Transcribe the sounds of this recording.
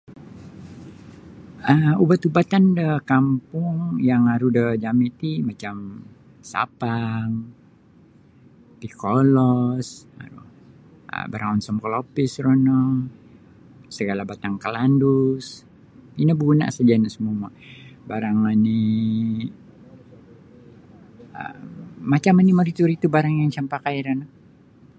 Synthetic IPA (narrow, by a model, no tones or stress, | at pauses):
əubat̪ubat̪andəkampʊŋjaŋaɾudəd͡ʒamit̪imat͡ʃam | sa̰paŋ | t̪ikolɔsa̰ɾṵ | ə̰baɾaŋɔnsɔmkəlopɪsɾɔnɔŋ | səɡalabat̪aŋkəlandus | inabuna̰ʔsad͡ʒainasəmuma̰baɾaŋani | ə̰mat͡ʃamanimaɾit̪uɾit̪ubaɾaŋjaŋt͡ʃampakaiɾan